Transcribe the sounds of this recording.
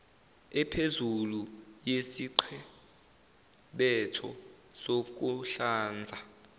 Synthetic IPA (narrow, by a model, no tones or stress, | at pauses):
ɛpʰezulujesiǃʰɛ | ɓɛtʰɔ̰ | sok̬uɬaːnd͡zʱa